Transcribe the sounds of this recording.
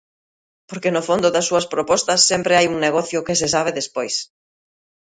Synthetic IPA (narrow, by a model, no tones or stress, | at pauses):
poɾkenofond̪ʊðɐsːuɐspɾopɔst̪ɐsːɛmpɾɪajuŋneɣɔθjʊkɪsɪs̬aβ̞ɪðespojs